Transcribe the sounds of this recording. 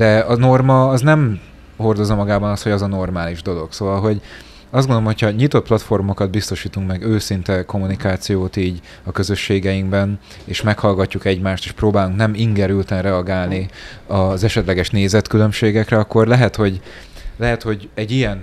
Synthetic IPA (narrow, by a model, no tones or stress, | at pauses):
d̪ɛɒno̞rmɒːznɛm | ho̞rd̪o̞zɒmɒɡaːbɒnɒst̪ho̞ɟɒzɒno̞rmaːliʒd̪o̞lo̞ɡsoːvɒlɦo̞ɟ | ɒzdɡond̪oomhocʰhɒɲit̪o̞t̪̚plɒt̪fo̞rmo̞kɒd̪̚bist̪o̞ʃiːt̪uŋkmɛɡøːsint̪ɛko̞mːunikaːt̪sijoːt̪iːɟ | ɒkø̞zø̞ʃːeːɡɛjiŋbɛn | eːʃmɛkhɒlɡɒcːukɛɟmaːʃt̪eːʃproːbaːluŋknɛmiŋɡɛɾylt̪ɛnrɛɒɡaːlniɒzɛʃɛt̪lɛɡɛʃneːzɛt̪kylø̞mʃeːɡɛkrɛɒkːo̞rlɛɦɛt̪ho̞ɟ | lɛɦɛt̪ho̞ɟɛɟːijɛn